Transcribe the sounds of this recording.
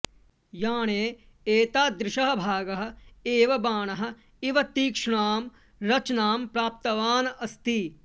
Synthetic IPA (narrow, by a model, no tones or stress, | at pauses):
jaːɳeː | eːt̪aːd̪ɾɪʃɐɦɐ̆bʱaːɡɐɦɐ̆eːʋɐbaːɳɐɦɐ̆ | iʋɐt̪iːkʂɳaːm | ɾɐt͡ʃnaːmpɾaːp̚t̪ɐʋaːnɐɐst̪i